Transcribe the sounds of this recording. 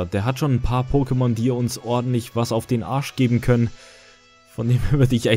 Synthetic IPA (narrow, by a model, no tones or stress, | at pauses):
d̥eːɐɦatʃoːnnpʰaːɐpʰoːkəmɔndiːɐʊnsʔɔɐdn̩tlɪçv̥asaʊfd̥eːnʔa̰ɐʃɡ̥eːbm̩kʰœnən | fɔndeːmɐvʏɐdɪçʔa